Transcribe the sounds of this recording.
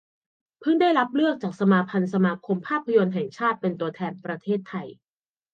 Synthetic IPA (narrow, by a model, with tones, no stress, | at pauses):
pʰɯ˥˩ŋdaː˥˩jɾa˦˥p̚lɯ˥˩ək̚t͡ɕaː˨˩k̚sa˧maː˧pʰa˧nsa˧maː˧kʰo˧mpʰaː˥˩pʰːa˧jo˧nɦɛ˨˩ŋt͡ɕʰaː˥˩t̪̚pe˧nt̪u˧ɐt̪ʰɛː˧npɾa˧t̪ʰeː˥˩t̪ʰːa˧j